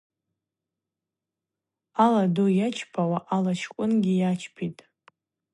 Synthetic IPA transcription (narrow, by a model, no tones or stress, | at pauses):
aladujat͡ʃʰpʰawaʔalat͡ʃʰkʷʼʊnɡʲɪjat͡ʃʰpʰitʼ